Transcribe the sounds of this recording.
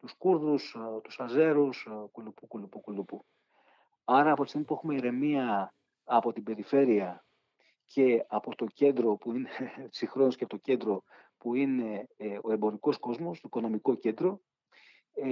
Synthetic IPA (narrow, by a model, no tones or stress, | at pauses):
t̪uskuɾðust̪u̥sɐze̞ɾuskulupukulupukulupu | ɐɾɐːpot̪ist̪imiɐpuxume̞iɾe̞miɐː | po̞t̪ibe̞ɾife̞ɾiɐ | cʰe̞ɐpo̞t̪o̞ce̞nd̪ɾo̞puine̥sixɾo̞nusceɐpot̪oce̞nd̪ɾo̞ | puine̞o̞e̞mbo̞ɾiko̞sko̞zmo̞st̪oiko̞no̞miko̞ce̞nd̪ɾo̞